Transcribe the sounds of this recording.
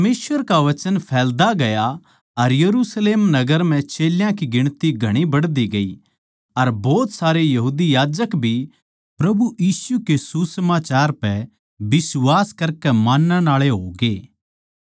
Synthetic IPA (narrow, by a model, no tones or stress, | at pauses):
meːsʋəɾkaʋɐt͡ʃənpʰɛːld̪aɡɐja | ɐɾjɐɾuːsleːmnɐɡəɾm̤ɛ̃t͡ʃeːljãkiɡɪɽ̃t̪iɡʱɐɽ̃ibɐɽd̪iɡɐḭ | ɐɾbɔːt̪saːɾejɐɦuːd̪ijaːd͡ʒəkbʱi | pɾɐbujiːsukesusmaːt͡ʃaːɾpɛ | bɪswaːskɐɾkɛmãːnːãnaːɭeɦoːɡeː